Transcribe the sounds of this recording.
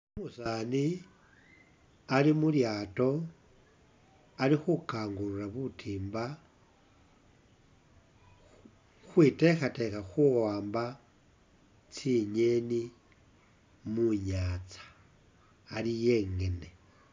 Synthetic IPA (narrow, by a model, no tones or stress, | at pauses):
omusaːni | alimuljaːto̞ | alixukaːŋɡululaβutʰiːmba | xwitexate̞xaxuwaːmba | t͡siɲeni | muɲaːt͡sḁː | lijeŋɡe̞ne